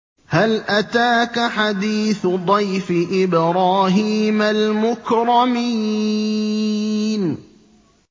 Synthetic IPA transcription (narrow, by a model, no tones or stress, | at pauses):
halʔat̪aːkaħad̪iːθd̪ˤɑjfɪʔɪbɾˤɑːɦiːmalmʊkɾˤɑmiː | n